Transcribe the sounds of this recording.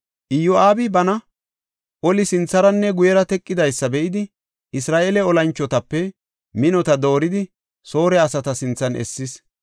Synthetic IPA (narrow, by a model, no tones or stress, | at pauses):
ʔɪjɔaːbɪbɐnɐ | ʔɔlɪsɪnt͡sːɐɾɐnːɛɡʊjɛɾɐt̪ɛkʼːɪd̪ɐjsːɐbɛʔɪd̪ɪ | ʔɪsɾaːʔeːlɛɔlɐnt͡ʃːɔt̪ɐpːɛ | mɪnɔt̪ɐd̪o̞ːɾɪd̪ɪ | so̞ːɾɛɐsɐt̪ɐsɪnt͡sːɐnʔɛ̰sːɪs